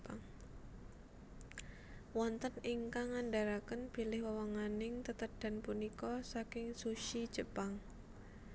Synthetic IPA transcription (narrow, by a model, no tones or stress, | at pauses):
paŋ | wɔnt̪ənɪŋkaŋanɖaɾakənb̥i̤lɪhwəwaŋanɪŋt̪ət̪əɖ̥a̤npunikɔsakɪŋsuʃi̥ʒ̥əpaŋ